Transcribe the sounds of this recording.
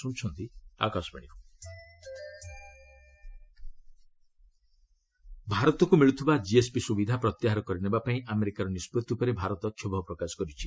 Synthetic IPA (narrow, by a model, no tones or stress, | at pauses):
sũːt͡ʃʰɔnt̪ia̰kasɔ̥pa̰ɽ̃iku | bʱaɾɔt̪ɔkumiɭut̪ʰibad͡ʒiespisubid̪ʱapɾɔt̪jaɦaɾɔkɔɾinebapaĩʔameɾikaɾɔnispɾut̪iupɔɾebʱaɾɔt̪ɔt̪ʰjɔbʱɔpɾɔkasɔ̥kɔɾit͡ʃʰi